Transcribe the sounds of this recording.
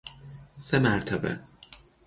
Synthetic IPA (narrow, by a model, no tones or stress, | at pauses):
semæɾt̪ʰæbḛ